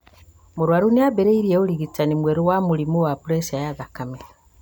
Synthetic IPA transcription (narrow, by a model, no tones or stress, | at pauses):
moɾwaɾuneabeɾeiɾieoɾiɣitanimweɾowamuɾimowapuɾesiajaðakame